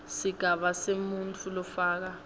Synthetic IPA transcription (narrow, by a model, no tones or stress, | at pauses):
siɡ̥ʱaɓasemunt͡fʰulɔfaːk̬a